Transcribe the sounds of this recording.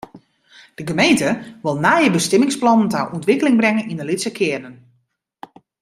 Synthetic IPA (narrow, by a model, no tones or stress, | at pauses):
d̥əɡəmejntəʋɪlˠnaːjəbəstɪmɪŋsplɔnəntaʔɔntʋɪkəlɪŋbrɛŋənindəlɪtsəkʰɪənən